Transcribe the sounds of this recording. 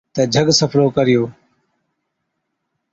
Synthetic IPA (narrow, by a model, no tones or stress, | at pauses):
t̪əd͡ʒʱəɡsəpʰnoːkəɾɪjoː